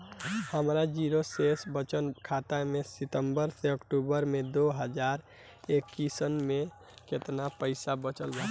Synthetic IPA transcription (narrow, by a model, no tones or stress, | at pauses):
həmɾad͡ʒiɾosesbət͡ʃənkʰat̪amesɪt̪əmbəɾseəkʈubəɾmed̪oɦəd͡ʒaɾ | ekːisənmẽ | ket̪napəɪsabət͡ʃəlba